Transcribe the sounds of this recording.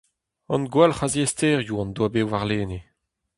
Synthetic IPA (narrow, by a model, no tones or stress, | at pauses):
ɑ̰̃nɡwalχaziesteːʁjuɑ̃nd̪wabewvaʁleːne